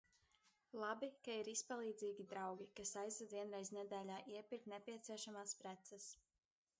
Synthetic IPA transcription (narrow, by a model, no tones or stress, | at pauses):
lˠabikaiɾispalˠiːd̪ziːɡʲid̪ɾawɡʲikasajzɾad̪viɛnɾɛjznɛd̪æːlʲaːʔiɛpiɾk̚t̪nɛpʲiɛt̪siɛʃamaːspɾɛt̪sas